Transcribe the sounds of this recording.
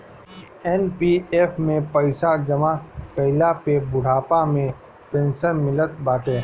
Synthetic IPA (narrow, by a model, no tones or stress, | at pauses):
ɛːnpieːfmẽpɐɪsad͡ʒɐmapɐɦɪlapebʊɽ̤aːpamẽ | pẽːnsənmɪlət̪baːt̪ẽː